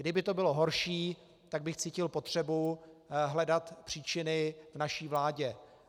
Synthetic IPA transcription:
ɡdɪbɪt̪o̞bɪlo̞ɦo̞ɾʃiː | t̪aɡ̚bɪxt͡siːcɪlpo̞t̪r̝̥ɛbuɦlɛdat̪pr̝̥iːt͡ʃɪnɪvnaʃiːvlaːɟɛ

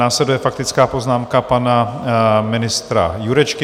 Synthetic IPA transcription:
aːslɛdujɛfak̚t̪ɪt͡skaːpo̞znaːmkapanamɪnɪst̪ɾa̰juɾɛt͡ʃkɪ

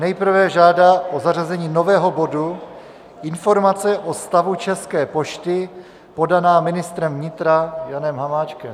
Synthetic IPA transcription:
nɛjpr̩vɛʒaːdaʔozarazɛɲiːno̞vɛːɦo̞bo̞du | ʔɪnfo̞ɾmat͡sɛʔost̪avut͡ʃɛskɛːpo̞ʃt̪ɪ | po̞danaːmɪnɪst̪ɾɛmvɲɪt̪ɾajanɛmɦamaːt͡ʃkɛm

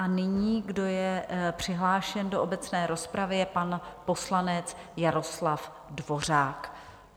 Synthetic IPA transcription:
ʔanɪɲiːɡdo̞jɛpr̝̥ɪɦlaːʃɛndoʔobɛt͡snɛːɾo̞spɾavɪjɛpanpo̞slanɛt͡sjaɾo̞slaf | dvo̞r̝aːk

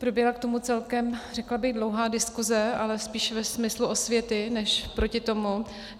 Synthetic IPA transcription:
pɾo̞bjɛɦlakt̪o̞mut͡sɛlkɛmrɛklabɪɣdlowɦaːdɪskuzɛalɛspiːʃvɛsmɪsluʔo̞svjɛt̪ɪnɛʃpɾo̞cɪt̪o̞mu

